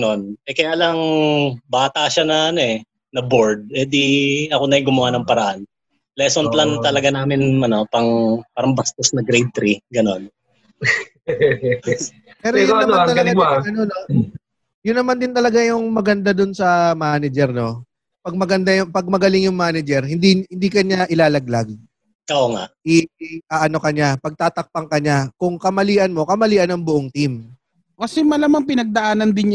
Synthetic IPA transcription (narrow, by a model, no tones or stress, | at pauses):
no̞nʔɛkɐjaːlɐŋbaːt̪ɐʃanɐʔɐnoɛ | nɐboɹd̪̚ʔɛd̪iɐko̞nɐjɪŋɡʊmɐwanɐŋpɐɾɐʔan | lɛsonp̪lant̪ɐlɐɡanaːmɪnmɐnopɐŋpaːɾɐŋbɐst̪osnɐɡɾejd̪̚t̪ɾiɡɐno̞n | pɛːɾojʊnːɐmat̪ɐlɐɡaɐnono | jʊnːɐmand̪ɪnt̪ɐlɐɡajʊŋmɐɡɐnd̪ad̪onsɐmaːnɛd͡ʒɛɾno̞ | pɐɡ̚mɐɡɐnd̪ajʊŋpɐɡ̚mɐɡɐlɪŋjʊŋmaːnɛd͡ʒɛɾhɪnd̪ihɪnd̪iːkɐɲaʔɪlaːlɐɡ̚laɡ̚ | kɐʔoŋa̰ʔʔɪʔaːʔɐno̞kɐɲapɐɡ̚t̪aːt̪ɐk̚pɐŋkɐɲakʊŋkɐmɐliːʔɐnmo̞kɐmɐliːʔɐnɐŋbʊʔoŋt̪im | kɐsɛmɐlamɐŋpɪnɐɡ̚d̪ɐʔaːnɐnd̪ɪn